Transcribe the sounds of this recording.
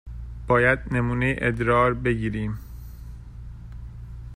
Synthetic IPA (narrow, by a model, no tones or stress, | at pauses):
b̥ɒːjæd̪̚nemuːnejiʔed̪ɾɒːɾbe̞ɟiːɾiːm